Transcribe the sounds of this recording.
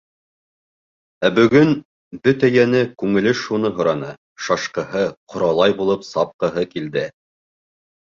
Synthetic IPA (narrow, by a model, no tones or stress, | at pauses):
æbɵ̆ɡɵn | bɵt̪æjænɘkʉŋɘ̆lɘʃunɤɦŏɾɑnɤ | ʃɑʃqɤ̆ɦɤqʰŏɾɑlˠɑjbulˠɤpsɑp̚qɤ̆ɦɤkild̪ɘ